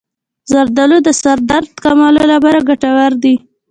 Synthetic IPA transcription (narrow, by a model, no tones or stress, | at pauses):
zaɾd̪alod̪əsaɾd̪aɾd̪kamɑlolapɑɾaɡaʈawaɾd̪i